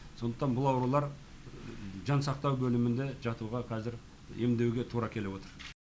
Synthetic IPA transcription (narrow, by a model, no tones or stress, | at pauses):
so̞nd̪əqt̪ɑnbʊlˠɑwɾulˠɑɾ | ʒɑnsɑqt̪ɑwbɵlɪmɪnd̪e̞ʒɑt̪uʁɑqʰɑzɪɾ | e̞md̪e̞wɡʲe̞t̪ʰuɾɑkʲʰe̞le̞wo̞t̪əɾ